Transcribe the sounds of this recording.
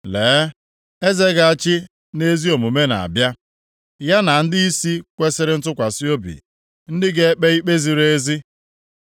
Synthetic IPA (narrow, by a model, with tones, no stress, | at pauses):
leː˨˦ | e˦ze˦ɡa˨a˨t͡ʃɪ˦ | ne˦zi˦o˨mu˨me˦na̰˨a̰˨bja˦ | ja˦na˨n̩˦dɪ˦i˦si˦kʷe˦sɪ˦ɾɪ˦n̩˦tʊ˦kʷa˨si˦o˦bḭ˨ | n̩˦dɪ˦ɡe˦e˦k͡pe˦i˦k͡pe˦zi˨ɾe˦e˦zi˦